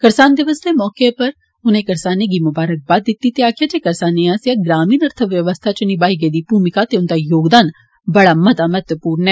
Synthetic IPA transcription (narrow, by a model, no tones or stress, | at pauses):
kɐɾsaːnd̪ɐʋəsemɔːkepɐɾ | ʊnẽkɐɾsaːneɡimʊbaːɾək̚baːd̪̚ːɪt̪ːit̪jaːkijat͡ʃeːkɐɾsaːneãsjaɡɾaːmiːnɐɾt̪ʰəʋjɐʋəst̪ʰat͡ʃənibaːɦiɡed̪ipuːmɪkat̪eʊnt̪ajoːɡd̪aːn | bɐɽamɐt̪amɛt̪ʋəpuːɾnɛː